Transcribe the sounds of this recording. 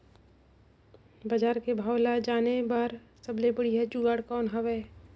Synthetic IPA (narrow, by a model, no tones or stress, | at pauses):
bɐd͡ʒaːɾkebʱaːwlad͡ʒaːnebaːɾ | sɐblebəɽiɦɛd͡ʒuːɡaːɽkɔːnɦɐʋeː